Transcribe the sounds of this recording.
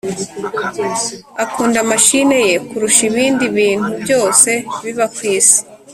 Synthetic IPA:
akuːndamaʃine̞je̞kuɾuʃiβiːndiβiːn̥ubɟo̞ːse̞βiβakwiːse̥

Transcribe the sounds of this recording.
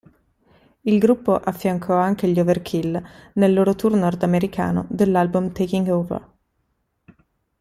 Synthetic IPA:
ilɡɾupːoʔafːjaŋkʰɔaŋk̟eʎoverkʰilnelːoːɾot̪urnɔrd̪ameɾikʰa̰ːno̰d̪elːalbumt̪ekiŋɡovə̰r

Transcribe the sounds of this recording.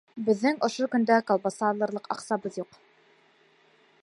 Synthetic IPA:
bɘ̆ðːɘŋŏʃokɵ̆nd̪ækolˠbosɑlˠɤ̆ɾlˠɤqɑ̰qsɑbɤðjuq

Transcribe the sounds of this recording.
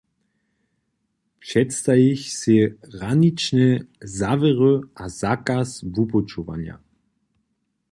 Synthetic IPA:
pʂɛtst̪ajiçsɪʁanit͡ʃnɛzavɛʁøʔazakasvupɔt͡ʃuva̰nja̰

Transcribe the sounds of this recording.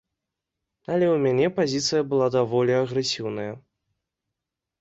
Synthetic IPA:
ɐlʲɛwmʲanʲɛpazʲit̪sɨjɐbɨlˠad̪avɔlʲiɐɣɾɛsʲiwn̪ɐjɐ

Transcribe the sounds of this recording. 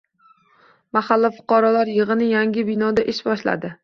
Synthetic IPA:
mahalːafʊ̥qɑɾɒlaɾjɨʁɨnɪjaŋɡʲɪbɪnɒd̪aʔeʃbɒʃla̰d̪ɪ

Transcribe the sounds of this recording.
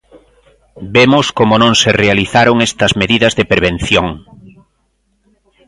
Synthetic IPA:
bemoskomonõŋserealiθaɾoŋest̪ɐzmeðiðɐzðepeɾβen̟θjoŋ

